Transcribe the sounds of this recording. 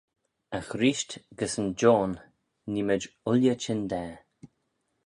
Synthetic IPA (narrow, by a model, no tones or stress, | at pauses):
axɾiːʃtɡ̥əsənd͡ʒoːnː | iməd͡ʒʊlʲjət͡ʃɪnd̪ɛː